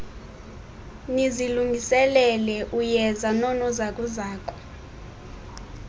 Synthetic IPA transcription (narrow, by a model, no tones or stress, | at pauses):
niziluŋʱisɛlɛlɛʔujɛzanɔnɔzakʼuzaːkʰʼɔ̥